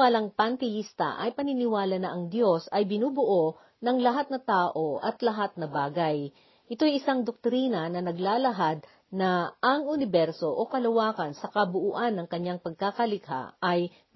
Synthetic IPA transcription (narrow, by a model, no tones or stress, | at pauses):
aːlɐŋpɐnt̪ɪjist̪ɐ̰ʔɐ̰jpɐnɪnɪwaːlɐnɐʔɐŋd̪jo̞sɐjbɪnuːbʊʔo̞ | nɐŋlɐɦat̪̚nɐt̪aːʔo̞ʔɐt̪lɐɦat̪̚nɐbaːɡɐj | ʔɪt̪o̞jʔɪsaŋd̪ok̚t̪ɾiːnɐnɐnɐɡlaːlɐɦad̪̚ | nɐʔːŋʔʊnɪbɛɾso̞ʔokɐlɐwaːkɐnsɐkɐbʊʔuːʔanːɐŋkɐɲːaŋpɐɡ̚kakɐlɪka̰ɐj